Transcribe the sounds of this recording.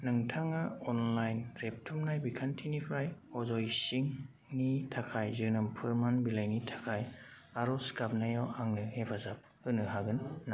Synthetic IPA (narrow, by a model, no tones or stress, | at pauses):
nɯŋtʰaŋaɔnlajnɾep̚tʰumnajbikʰantʰinipʰɾajɔzɔjsiŋ | nitʰakʰajzɯnɯmpʰɯɾmanbilajnitʰḁkʰaj | aɾɔskap̚najawʔaŋnɯhepʰazap̚hɯnɯɦaɡɯnːa